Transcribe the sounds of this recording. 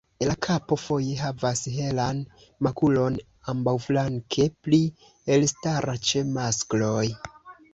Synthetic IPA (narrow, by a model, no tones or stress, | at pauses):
elakʰapo̞fo̞je̞ɦavasɦe̞lan | makulo̞n | ambawflaŋkʰe̞pli | elstaɾʔat͡ʃe̞maskloj